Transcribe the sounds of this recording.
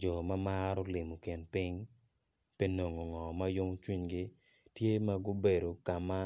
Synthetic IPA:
d͡ʒɔ˨ma˦ma˦ɾo˦lɪ˨mo˨kɪ˨npɪ˦ŋ | pe˦no˨ŋo˨ŋɔ˨ma˦jo˦mo˦t͡ʃwi˦ɲɡɪ˦ | tje˦ma˦ɡʊ˦be˨ɾo˨ka˨ma˦

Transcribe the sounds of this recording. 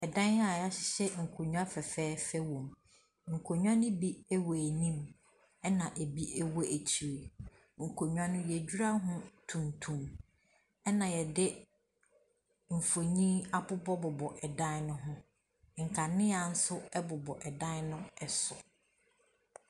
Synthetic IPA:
ɛ˨dã˦n˦a˨ja˦ɕɪ˨˦ɕɛ˦ŋ̩˨kʰo˨ɲũ˦a˦fɛ˨fɛː˦fɛ˦wɔ̃˨m | ŋ̩˨kʰo˨ɲᶣ˦ã˦nʊ̃˦bi˦ɛ˦wɔ˨æ˨nĩ˦m | ɛ˦nã˨ʔe˨bi˦ʔɛ˦wɔ˦ʔæ˨t͡ɕʰi˨ɾe˨ | ŋ̩˨kʰo˨ɲᶣ˦ã˦nʊ̃˦jɛ˨d͡ʑᶣu˦ɾa˦ɦʊ̃˦tʰũ˨ntʰũ˨m | ɛ˦nã˨jɛ˨dɪ˦ | m̩˨fo˨ɲĩ˦a˦pʊ˦bɔ˦bʊ˨bɔ˨ʔɛ˨dã˦nnʊ̃˦ɦʊ̃˦ | ŋ̩˨kʰa˨nɪ̃˦a˨n̩˦sʊ˦ɛ˦bʊ˨bɔ˨ʔɛ˨dã˦nnʊ̃˦ɛ˨sʊ˨

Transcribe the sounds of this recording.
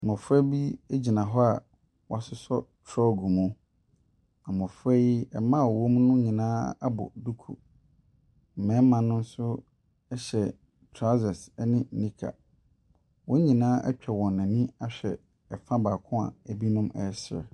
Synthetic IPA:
mʊ̃˨fʊ˦ɛ˦bi˦e˦d͡ʑi˨nã˨ɦɔ˦a˨ | wɔ˨a˨sʊ˦sɔ˦tʰɾɔ˦ɡu˨mũ˦ | a˨mʊ̃˨fʊ˦ɛ˦ji˦ɛ˨mã˦˨wo˦m˦nʊ̃˦ɲĩ˨nãː˦a˦bʊ̰˨du˦kʰṵ˨ | mɛ̃˨˦mã˨nʊ̃˦n̩˦sʊ˦ | ɛ˦ɕɛ˨ | tʰɾa˦zɛ˨sɛ˦nɪ̃˦˨nĩ˦kʰa̰˨ | wɔ̃˦ɲĩ˨nãː˦ʔɛ̰˦t͡ɕᶣʰɛ˨wɔ̃˨n˨nã˨nĩ˦a˦ɕᶣɛ˨ | ɛ˨fã˦baː˨kʰʊ̃˦a̰˨æ˨bi˦nʊ̃˦mɛ̰˨˦sɪ˨ɾɛ̰˨

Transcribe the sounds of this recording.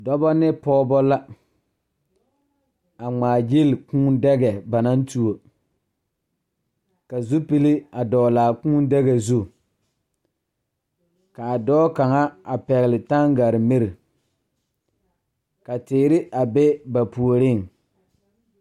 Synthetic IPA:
dɔ˦bɔ˦nɪ˦pɔː˦bɔ˦la˦ | a˨ŋ͡maː˨d͡ʒi˦lkũ˦ndɛ˦ɡɛ˨ba˨na˦ntu˦o˨ | ka˨zu˦pi˦li˦a˨dɔː˨laː˨kũ˦n˦dɛ˦ɣɛ˨zu˦ | ka˨a˨dɔː˦ka˨ŋa˦a˨pɛ˨ɣɪ˨lɪ˨ta˦ŋɡa˨ɾɪ˨mɪ˦ɾɪ˨ | ka˨tɪː˨˦ɾɪ˦ʔa˨be˦ba˨pu˨o˨ɾɪ˦˨ŋ

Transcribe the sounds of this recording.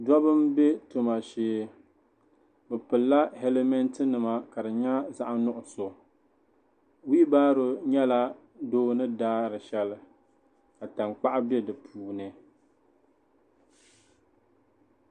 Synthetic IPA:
dɔ˦bɨ˦mbe˦to˨ma˨ʃeː˨˦ | bɨ˨pɨ˨lːa˦he˦le˦mɛ˦ntɨ˦nɨ˨ma˨ka˨dɨ˨ɲa˦za˦ʔa˦nʊ˦ʔʊ˨so˨ | wiː˦baː˦ɾʊ˨ɲɛ˦la˦ | doː˦nɨ˦daː˦ɾɨ˨ʃɛ˦lɨ˨ | ka˨ta˨ŋk͡pa˦ʔa˦bɛ˦dɨ˨pʰuː˦nɨ˨

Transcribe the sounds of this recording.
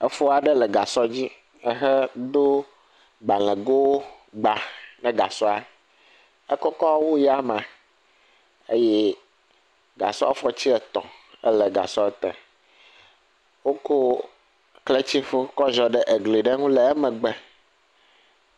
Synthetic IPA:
ɛ˨fo˦a˨ɖɛ˦lɛ˨ɡa˨sɔ˦d͡ʑi˦ | ɛ˦ɦɛ˦d̪o˦ | ɡ͡ba˨l̃ɛ̃˨ɡo˦ | ɡ͡ba˨nɛ̃˨ɡa̰˨sɔ˦a˨ | ɛ˦kɔ˦kɔ˦wo˦ja˦m˨ã˨ | ḛ˦jɛ˦ | ɡa̰˨sɔ̰˦fɔ˦t͡ɕi˦ɛ˨t̪ɔ̰̃˨ɛ̰˦lɛ˨ɡa̰˨sɔ˦t̪ɛ̰˨ | wo˦ko˦ | kle˦t͡ɕi˦fo˦kɔ˦ʒɔ˨ɖɛ˦ʔe˨ɡli˨ɖɛ˦ŋũ˦lɛ˨ɛ˦mɛ̃˨ɡ͡bɛ˨

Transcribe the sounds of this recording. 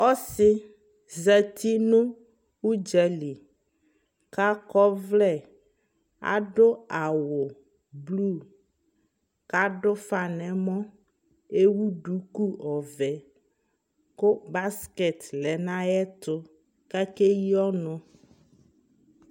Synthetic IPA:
ɔ˦sɪ˦ | zɛ˨t̪i˦nũ˦ | u˦d͡ʒɛ˦li˨ | ka˦kɔ˦vlɛ˦˨ | a̰˨ɖʊ˦a˨wʊ˨ | blu˦˨ | ka˦ɖʊ˦fa˨nɛ̃˨mɔ̃˦ | e˦wu˦ɖu˨˦ku˦ɔ˨vɛ˨ | kʊ˦ba˦skɛ˨t̪lɛ˨nã˦ɛ˦t̪ʊ˦ | kɛ˦ke˦ji˦ɔ˦nʊ̃˦

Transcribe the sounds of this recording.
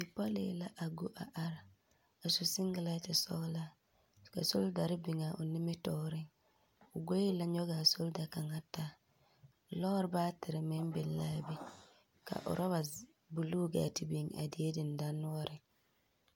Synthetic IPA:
ɪ˨pa˦lɪ̰ː˨˦la˦ʔa˨ɡu˦ʔa˨ʔa˨ɾa˨ | a˨su˨sɪ˦ŋ˦ɡɪ˨la˦tɪ˨sɔ̰˦ɣla˦ | ka̰˨so˦lda˨ɾɪ˦bɪ˨ŋa˨ʔʊ˨nɪ˦me˦tɔː˦ɾɪ˦ŋ | ʊ˨ɡo˦i˦la˦ɲɔ˦ɣa˨so˦lda˨ka˨ŋa˦ta˦˨ | lɔ˦ɾɪ˦baː˦tɪ˨ɾɪ˨mɪ˦m˦bɪ˨lla˦bi˦ | ka̰˨ʔʊ̰˨ɾa˦βa˨ | bu˨lu˦ɡa̰ː˨ti˨bi˨ŋa̰˨dɪ˨e˦dɪ˨n˨da˦nʊ˦ɔ˦ɾɪ˨

